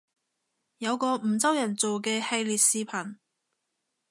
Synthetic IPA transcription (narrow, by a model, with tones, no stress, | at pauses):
jɐ˨˧wkɔː˧m̩˨˩t͡sɐ˥wjɐ˨˩nt͡so˨wkɛː˧he˧jliː˨t̚siː˨˧pʰɐ˨˩n